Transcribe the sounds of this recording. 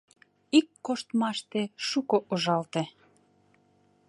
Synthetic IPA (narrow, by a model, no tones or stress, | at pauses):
ikːoʃt̪mɑʃt̪eʃukoʔoʒɑlt̪e